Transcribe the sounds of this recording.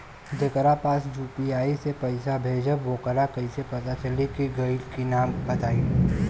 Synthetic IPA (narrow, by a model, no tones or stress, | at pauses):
d͡ʒekəɾapaːsjuːpiaːisepɐɪsabʱeːd͡ʒəʋoːkəɾakɐisepɐt̪at͡ʃɐlikiɡɐɪlkinaːmbɐt̪aːi